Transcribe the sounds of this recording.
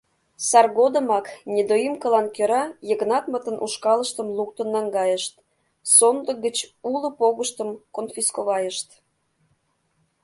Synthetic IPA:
sɑrɣod̪əmɑknʲed̪ojimkəlɑnkøɾɑjəɣnɑt̪mət̪ənʔṵʃkɑləʃt̪əmluk̚t̪ənːɑŋɡɑjəʃt̪̚ | sond̪ə̆ɡət͡ɕuləpoɣəʃt̪əmkonfʲiskoβɑjəʃt̪

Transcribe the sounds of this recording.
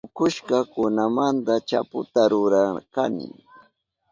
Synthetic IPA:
ʊkʊʃkakʊnamant̪at͡ʃa̰pʊt̪aɾʊɾaka̰nɪ̰ŋ

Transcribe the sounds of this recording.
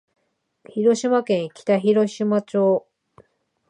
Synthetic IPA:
çiɾo̞ɕimakẽ̞ŋkʲi̥t̪açiɾo̞ɕimat͡ɕoː

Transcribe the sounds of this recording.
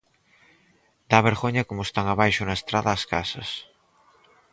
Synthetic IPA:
d̪̥aβ̞eɾɣoɲɐkomoest̪aŋaβajʃʊnaest̪ɾaðaːskasɐs

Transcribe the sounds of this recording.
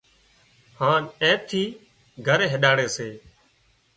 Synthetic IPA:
hãːnẽːt̪ʰiː | ɡʱəɾeːɦɪɗaːɽeːseː

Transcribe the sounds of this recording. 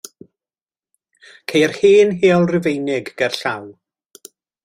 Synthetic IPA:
kʰejrhiːnɦeːɔlˠrɪvejnɪɡɡɛrɬaw

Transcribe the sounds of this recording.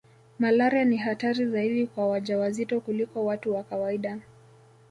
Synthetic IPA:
malaɾianiɦataɾizaiɗikwawaʄawazitɔkulikɔwatuwakawaiɗa

